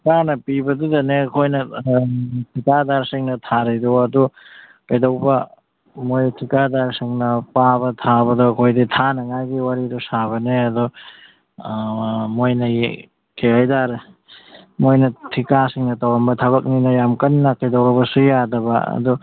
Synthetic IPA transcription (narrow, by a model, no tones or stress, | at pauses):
kanɐpibɐdudɐneɐkʰojnɐ | tʰikadaɾsiŋnɐtʰaɾɐjdɔɐdu | kɐjdɐwbɐ | mojtʰikadaɾsiŋnɐpabɐtʰabɐdɔɐkʰojditʰanɐŋajɡiwaɾidusaβɐneɐdɔ | mojnɐj | kʰeajdaɾ | mojnɐtʰikasiŋnɐtawɾɐmbɐtʰɐβɐk̚ninɐjamkɐnːɐkɐjdɐwɾɐbɐsujadɐbɐ̰ɐ̰du